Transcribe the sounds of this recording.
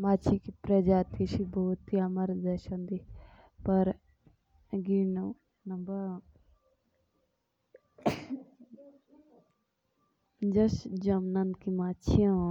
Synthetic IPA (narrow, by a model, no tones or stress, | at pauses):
maːt͡ʃʰikipɾɐd͡ʒaːt̪ʰiʃiboːt̪ːiamɐɾd̪ɐʃɐ̃nd̪i | pɐɾ | ɡinu | nɐmbɐɾ | d͡ʒɐsd͡ʒɐmnɐnkimaːt͡ʃʰiã